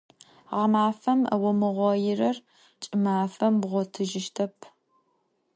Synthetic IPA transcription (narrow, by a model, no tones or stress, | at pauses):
ʁmaːfɐmɐ̰wɔmɨʁʷɔjɪrɐr | t͡ʃʼɪmaːfɐmbʁʷɔtʰɨʒɪʃtʰɐpʰ